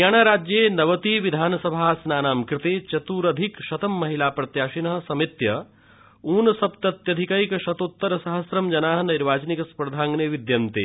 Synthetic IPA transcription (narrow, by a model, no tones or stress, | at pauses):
jaːɳ̃aːɾaːd͡ʒjeːnɐʋɐt̪iːʋid̪ʱaːnɐsɐbʱaːsnaːnaːmkɾɪt̪eːt͡ʃɐt̪uːɾɐd̪ʱikʃɐt̪ɐmːɐɦilaːpɾɐt̪jaːʃinɐɦɐsɐmit̪jɐ | uːnɐsɐpt̪ɐt̪jɐd̪ʱikɐikɐʃɐt̪ot̪ːɐɾɐsɐɦɐsɾɐmd͡ʒɐnaːɦɐnɐɾʋaːt͡ʃɐnikɐspɐɾd̪ʱaːŋɡneʋid̪jɐnt̪ḛː